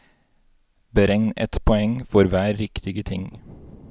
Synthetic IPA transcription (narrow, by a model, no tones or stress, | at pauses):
bəɾɛŋnɛ̰t̪pʰɔɛŋfɔɾʋæːɾːɪkt̪ɪɡət̪ʰɪŋ